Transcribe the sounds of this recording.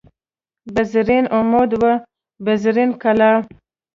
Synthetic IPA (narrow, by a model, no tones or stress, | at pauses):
bazɾinomod̪wə | bazɾinkala